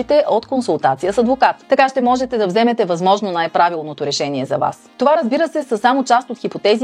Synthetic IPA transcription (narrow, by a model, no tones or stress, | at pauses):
it̪ɛʔot̪konsulˠt̪at̪sijəsɐd̪vokat̪ːɐkaʃt̪ɛmɔʒɛt̪ɛd̪ɐvzɛmɛt̪ɛvɐzmɔʒnonajpɾavilˠnot̪oɾɛʃɛniɛzɐva̰st̪ovaɾɐzbiɾəsɛsəsamot͡ʃast̪ot̪xipot̪ɛzi